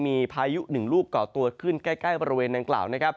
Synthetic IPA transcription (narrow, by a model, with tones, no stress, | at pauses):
miː˧pʰaː˧ju˦˥ʔnɯ˨˩ŋluː˥˩kːɔː˨˩t̪u˧əɐkʰɯ˥˩nkaː˥˩jkaː˥˩jbɔː˧ɾi˦weː˧nda˧ŋkla̰ː˨˩wna˦˥kʰa˦˥p̚